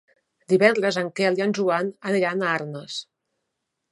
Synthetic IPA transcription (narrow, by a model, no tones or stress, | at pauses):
d̪iβɛnd̪ɾəzəŋkɛlianʲʒuanəniɾanaɾnəs